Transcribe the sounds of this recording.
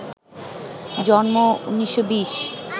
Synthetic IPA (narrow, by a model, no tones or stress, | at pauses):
d͡ʑɔnmounːiʃːobiʃ